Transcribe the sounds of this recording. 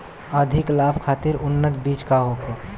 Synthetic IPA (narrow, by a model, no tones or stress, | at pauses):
əd̪ʱɪklaːpʰkʰaːt̪ɪɾʔʊnːət̪biːt͡ʃkaɦoːke